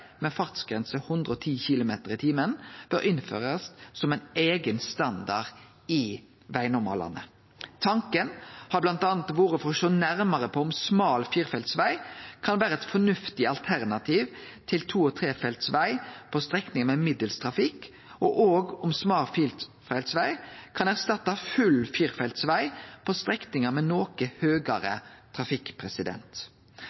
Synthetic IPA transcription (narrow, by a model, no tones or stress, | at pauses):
mɛfɑʁt̪sɡ̥ɾɛnsəhʊnd̪ʁəɔt̪ʰiːçɪlʊmeːt̪əʁɪt̪ʰiːmənb̥œɾɪnfø̰ːʁəssɔmæɪneːɡənst̪ɑnd̪ɑʁ | ɪ | ʋæɪnɔmɑ̰lɑ̰nə̰ | t̪ʰɑŋkənhɑblɑnt̪ɑːnt̪ʋuːʁəfɔʃoːnæʁmɑʁəpʰɔʊmsmɑːlfiːʁfɛlt̪sʋæɪkʰɑnʋæːɾəɛt̪fɔnʉft̪ɪɑlt̪ʰæʁnɑt̪ʰiːʋ | t̪ʰɪlt̪ʰuːɔt̪ʰɾeːfɛlt̪sʋæɪpʰɔst̪ʁɛknɪŋəmɛmɪd̪əlst̪ʰʁɑfɪkː | ʔɔʔoːɡʊmsmɑːlfiːl | fɛlt̪sʋæɪkʰɑnæʁst̪ɑt̪ːɑfʉlfiːɾfɛlt̪sʋæɪpʰɔst̪ɾɛknɪŋəmɛnoːkəhøːɡɑɾə̰t̪ʰʁɑfɪkpʰʁɛsɪd̪ɛ̰nt̪